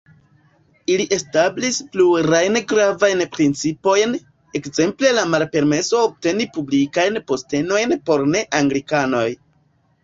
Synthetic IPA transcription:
iliʔe̞stablispluɾajnɡɾavajnpɾint͡sipo̞jn | e̞kze̞mple̞lamalpe̞ɾme̞so̞ːb̚te̞nipublikajnpo̞ste̞no̞jnpo̞ɾne̞ʔaŋɡlikano̞j

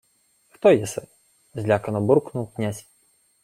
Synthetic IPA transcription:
xt̪ɔjɛsɛ | zʲlʲakɐnɔburknuwknʲasʲ

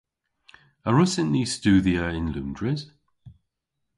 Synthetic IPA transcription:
əɹʊsə̃nlistʉːðiəɪ̃nlʉ̰̃ndɹɪz̥

